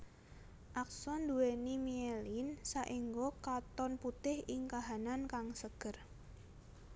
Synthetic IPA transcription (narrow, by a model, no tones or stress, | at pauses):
ʔak̚sɔnd̪uwenimielinsaʔiŋɡokat̪ɔnput̪ɪhɪŋkaɦanankaŋsəɡ̥ər